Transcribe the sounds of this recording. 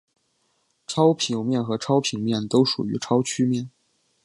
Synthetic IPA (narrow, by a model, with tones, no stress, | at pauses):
ʈ͡ʂʰɑ˥ʊpʰi˧˩ŋmjɛ˥˩nxɤ˧˥ʈ͡ʂʰɑ˥ʊpʰi˨˩ŋmjɛ˥˩nt̪o˥ʊʂṵ˨˩y̰˧˥ʈ͡ʂʰɑ˥ʊt͡ɕʰy˥mjɛ˥˩n